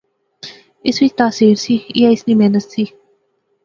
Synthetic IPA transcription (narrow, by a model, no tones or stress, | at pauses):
ɪsit̪aːsiːɾsiiaɪsnimenəssi